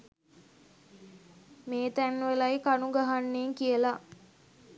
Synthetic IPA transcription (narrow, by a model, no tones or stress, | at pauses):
meːt̪ænːʋelajkanuɡaɦanːeːŋkijəla